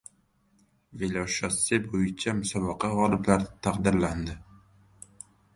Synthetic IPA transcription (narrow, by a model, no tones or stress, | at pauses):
velʲɒʃɒsɪbojɪt͡ʃʰamʊsɒbɨqɑʁɒlˠɪblaɾɪt̪ʰaqd̪ɪɾland̪ɪ